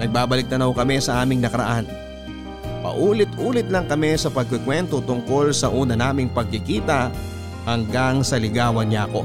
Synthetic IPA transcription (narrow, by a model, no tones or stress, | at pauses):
nɐɡ̚baːbɐlɪk̚t̪ɐnɐhokɐmɛsɐʔaːmɪŋnɐkɐɾɐ̰ʔan | pɐ̰ʔuːlɪt̪ʔuːlɪt̪̚lɐŋkɐmɛsɐpɐɡ̚kɪkwɛnt̪ot̪ʊŋko̞lsɐʔuːnɐnaːmɪŋpɐɡ̚kɪkiːt̪ɐ | hɐŋɡaŋsɐlɪɡaːwɐnako̞̰